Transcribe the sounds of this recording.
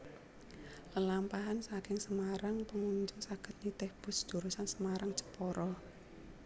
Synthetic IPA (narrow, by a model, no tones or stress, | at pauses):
ləlampaɦansaɾaŋsəmaɾaŋpəŋuɲd͡ʒʊŋsaɡ̥ə̤t̪̚nit̪ɛhb̥ʊ̤sd͡ʒ̥ṳɾusansəmaɾaŋt͡ʃə̥pɔɾɔ